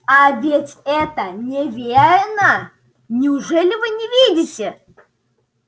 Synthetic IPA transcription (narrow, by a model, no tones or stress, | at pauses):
avʲetʲɛt̪ənʲevʲeɾnə | nʲɪʊʐɛlʲɪvɨnʲɪvʲidʲɪtʲɪ